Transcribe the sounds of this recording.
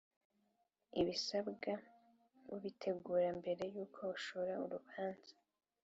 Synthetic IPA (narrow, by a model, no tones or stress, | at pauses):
iβisabɡa | βiβitʰe̞ɡuːɾambe̞ɾe̞juːkʰo̞uʃoɾauɾuβaːnz̥ḁ